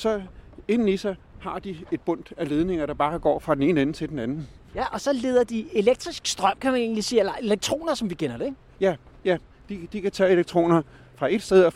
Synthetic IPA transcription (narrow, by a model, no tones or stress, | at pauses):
sɒ̽e̝n̰n̩isɑ | hɑ̈d̥ie̝d̥̚b̥ɔ̽n̰d̥æle̝ːð̞ˠne̝ŋɐɾ̥ɑ̈b̥ɑ̈ːɡ̥ɒ̰ːfʁɑ̥̈ene̝ːn̩en̩t͡sʰe̝d̥enænn̩ | jæʔɒ̽sɒ̽le̝ːð̞ˠɐd̥ie̝leɡ̥̚d̥ʁisɡ̥sd̥ʁɶm̰kʰæmæne̝ːnlisiːelɐe̝leɡ̥̚t͡sʰʁo̝̰ːnɐsɒ̽mʋikʰenɐɾ̥e | jæ | jæ | d̥id̥ikʰæt͡sʰɛ̰ːe̝leɡ̥̚t͡sʰʁo̝̰ːnɐ | fʁɑ̈e̝d̥sd̥eð̞̩ˠɒ